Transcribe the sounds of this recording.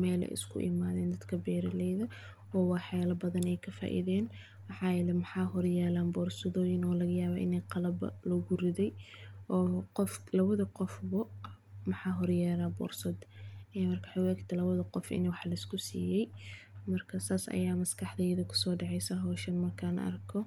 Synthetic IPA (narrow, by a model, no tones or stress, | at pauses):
mɛːlɛ̰ʔɪ̰skʰʊ̰ʔɪ̰maːðɛːnd̪ɐd̪kʰɐbɛːɾɐlɛjðɐ | ɔːwɑːħɛːlɐbɐðɐnɛjkʰɐfa̰ːʔɪ̰ðɛːn | wɑħɑːjɛlɛmɐħɑːɦɔrjɛːlaːnbɔːrsɔðɔːjɪnɔːlɐɣɐjaːβaːʔɪ̰nɛjqɑlɐbɐ̰lɔɣʊrɪðɛjʔɔːqɔflɐβɐðɐqɔfbɐmɐħɑːɦɔrjɛːlaːbɔ̰ːrsɔd̪ɛmɐrkʰɐħaʊɛkt̪ʰɐlɐβɐðɐqɔfɪ̰nwɑħlɐɪskʰʊsḭːjɛjmɐrkʰɐsaːsɐ̰jaːmɐskʰɑħd̪ɛjðɐkʰʊ̥sɔːɖɑʕɛjsɐɦɔːʃɐnmɐrkʰaːnʔɐ̰rkʰɔ